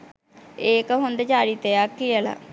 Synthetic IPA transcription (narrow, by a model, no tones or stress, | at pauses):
eːkəɦond̪t͡ʃaːɾit̪eakːiəla̰